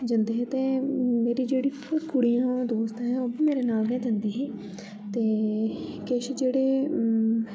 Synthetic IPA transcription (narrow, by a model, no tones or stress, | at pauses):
d͡ʒənd̪eːɦɛːt̪eːmeːɾiːd͡ʒeːɽiː | ɾkʊɽijãːd̪oːst̪ẽɦɛ̃ːoːbiːmeːɾeːnaːlɡɛ̃ːd͡ʒ̪ənd̪iːɦɛː | t̪eː | keʃd͡ʒeːɽeː